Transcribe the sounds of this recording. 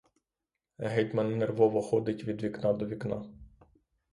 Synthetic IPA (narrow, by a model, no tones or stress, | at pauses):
ɦɛjt̪mɐnːerʋɔʋɔxɔd̪ɪtʲʋʲid̪ʋʲiknɑd̪ɔʋʲiknɑ